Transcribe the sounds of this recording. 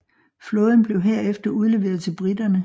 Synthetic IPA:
flɔːð̞ˠn̩b̥le̝ʊɦeɐ̰efd̥ɐuð̞ˠle̝ʋe̝ːɐð̞̩ˠt͡sʰe̝lb̥ʁid̥ɐnə

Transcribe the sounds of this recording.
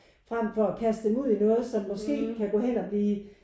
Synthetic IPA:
fʁam̰fɒ̽ækʰæsd̥d̥emuð̰ˠinɔ̽ːð̞̩ˠsɒ̽mːɒ̽sɡ̥e̝̰ːkʰæɡ̥ɔ̰̽ːhen̰ɒ̽b̥liː

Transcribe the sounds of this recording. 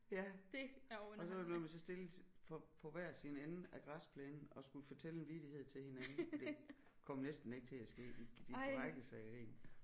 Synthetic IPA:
jæd̥eɒ̽sɒʋelbemænsɒ̽sd̥e̝lfɒpʰɒ̽ʋæɐ̰sinen̩ʔæɡ̥ʁɑspʰlɛːnn̩ɒ̽sɡ̥uləfɒt͡sʰel̰enʋid̥ihe̝ð̞̰ˠt͡sʰe̝lhe̝nænn̩d̥e̝ | kʰɒ̽m̰nesd̥n̩e̝ɡ̥̚t͡sʰe̝æsɡ̥e̝̰ːid̥iʁaɡ̥əsɑɪʁḭːn

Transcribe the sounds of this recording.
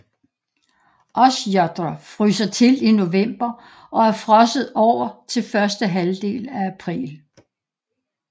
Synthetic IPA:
ʔɒ̽sjɒd̥ʁɐfʁysɐt͡sʰe̝lino̝ʋem̰b̥ɐ | ʔɒ̽æɐfʁɒ̽səð̩ˠɒʊ̰ɐt͡sʰe̝lfɶɐsd̥əɦæld̥e̝̰ːlææpʰʁḭːl

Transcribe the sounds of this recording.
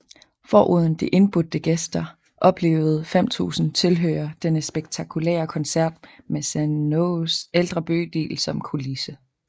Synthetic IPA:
fɒ̰ːʔuð̞ˠn̩d̥eʔe̝nb̥ud̥əɡ̥esd̥ɐ | ʔɒ̽b̥le̝̰ːʊð̞̩ˠfem̰t͡sʰṵːsn̩t͡sʰe̝lɦø̰ːɐd̥enəsb̥eɡ̥̚t͡sʰɑ̈kʰulḛːɐkʰɒ̽nsæɐ̰d̥mesænoseld̥ʁɐb̥ø̰ːd̥ḭːlsɒ̽mkʰulisə

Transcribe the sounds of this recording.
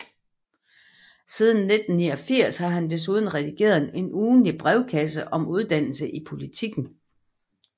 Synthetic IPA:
siːð̞ˠn̩ːe̝d̥n̩ːiːɒ̽fiɐ̰shɑ̈ɦænd̥es̬uðˠn̩ʁɛd̥iɡ̥e̝̰ːɐð̩ˠe̝nuːnlib̥ʁɛʊkʰæsəʔɒ̽muð̞ˠd̥æn̰l̩səʔipʰo̝lit͡sʰiɡ̥n̩

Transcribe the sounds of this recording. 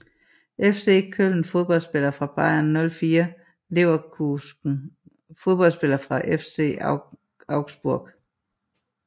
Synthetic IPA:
ʔefse̝̰ːkʰøln̩fo̝ð̞ˠb̥ɒ̽l̰sb̥e̝lɐfʁɑ̈b̥ɑ̈ɪ̰ɐnːɔ̽lfiːɐ | le̝ʊɐu̥ | fo̝ð̞ˠb̥ɒlsb̥e̝lɐfʁɑ̈ʔefse̝̰ː | ɑ̈ʊɡ̥sb̥uɐɡ̥

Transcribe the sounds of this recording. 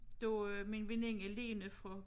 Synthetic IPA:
d̥eminʋe̝ne̝ŋæle̝̰ːnəfʁɒ

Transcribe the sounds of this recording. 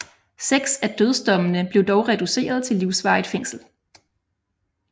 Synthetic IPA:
seɡ̥sæd̥øð̞ˠsd̥ɒ̽mənəb̥le̝ʊd̥ɒʊʁɛd̥use̝̰ːɐð̞ˠt͡sʰe̝lːiʊsʋɑ̈ɪðˠfeŋ̰sl̩

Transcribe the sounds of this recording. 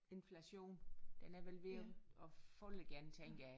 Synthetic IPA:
e̝nflæɕo̝̰ːnd̥enæɐʋelʋe̝ɒɒ̽fɔləɡ̥æɐnət͡sʰeŋ̰ɡ̥æ

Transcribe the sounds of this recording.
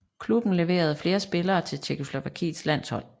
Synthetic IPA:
kʰlub̥n̩le̝ʋe̝̰ːɐð̞̩ˠfle̝ːɐsb̥e̝lɐːt͡sʰe̝lt͡ɕʰekʰo̝slo̝ʋækʰḭ̥ːslæn̰shɒ̽l̰

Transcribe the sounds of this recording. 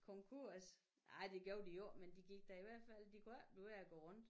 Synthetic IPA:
kʰɔŋkʰuɐ̰s | ɑ̈ɪd̥e̝ɡ̥joʊ̰d̥ijoɐmend̥iɡ̥iɡ̥̚d̥æiʋæɐ̰d̥fæl̰d̥ikʰuɐ̰b̥leʋeɐɐɡ̥ɔ̰ʁɔ̽n̰d̥

